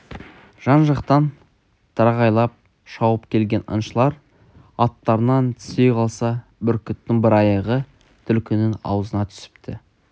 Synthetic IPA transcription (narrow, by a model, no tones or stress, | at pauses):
ʒ̥ɑnʒɑqt̪ɑn | t̪ʰɑɾɑʁɑjlˠɑp̚ | ʃɑwəpkʲʰe̞lɡʲe̞nə̰nʃəlˠɑɾ | ɑt̪ːɑɾənɑnt̪ʰʏ̥se̞jqʰɑlˠsɑbʏɾkʲʏt̪ːɪŋbɪɾɑjɑʁə | t̪ʰʏlkʲɪnɪŋɑ̰wəzənɑt̪ʰʏ̥sɪ̥pt̪ʰɪ